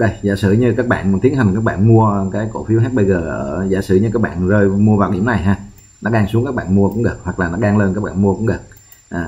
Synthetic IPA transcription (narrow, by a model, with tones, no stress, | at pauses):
ɗə˧˩jza̰ː˧˩sɨ̰˧˨ɲɨ˧kaː˦˥k̚ɓa̰ː˧˨nm˨˩nt̪i˨˦ənɦa˨˩ŋ̟kaː˦˥k̚ɓa̰ː˧˨nmu˧əkaː˨˦jko̰˧˩fi˨˦əwɦaː˦˥t̚ɓə˧jzəː˨˩ʔəː˧˩za̰ː˧˩sɨ̰˧˩ɲɨ˧kaː˦˥k̚ɓa̰ː˧˨nzəː˧jmu˧əvaː˨˩wɗi˧˩əmna˨˩jɦaː˧ | nɔ˨˦ɗaː˧ŋsu˨˦əŋkaː˦˥k̚ɓaː˧˨nmu˧əkʊ̰˧˥ŋ͡mɣə˨˩k̚hwa˨˩k̚laː˨˩nɔ˨˦˥aː˧ŋle˧nkaː˦˥k̚ɓaː˧˨mu˧əkʊ̰˧˥ɣə˨˩k̚ | ʔaː˨˩